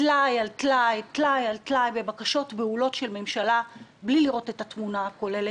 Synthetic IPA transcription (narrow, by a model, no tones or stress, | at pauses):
tlajaltlajtlajalt̪lajbe̞bakaʃo̞tbeulo̞tʃe̞lme̞mʃalabliliʁo̞te̞tatmunako̞le̞le